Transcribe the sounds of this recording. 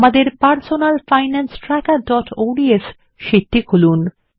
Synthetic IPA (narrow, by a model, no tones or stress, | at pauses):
mad̪eɾpaɾsonalfajnansʈɾɛkaɖɔʈʰoɖies | ʃiʈːikolun